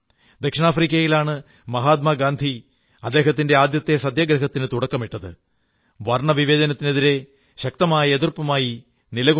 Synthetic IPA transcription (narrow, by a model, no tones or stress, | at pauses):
d̪ɐkʂɐɳaːfriːk̬ʲːɐjilaːɳɨ | mɐɦaːt̪̚maːɡaːnd̪ʱi | ɐd̪ːe̞ːɦɐt̪ːinde̞aːd̪jɐt̪ːesɐd̪jɐːɡɾɐɦɐt̪ːinɨt̪uɽɐkːɐmiʈːɐðɨ̰ | ʋɐrɳɐʋiʋe̞ːd͡ʑɐnɐt̪ːineðiɾe̞ | ɕɐk̚t̪ɐmaːjɐeðurpɐmaːji | nilɐɣu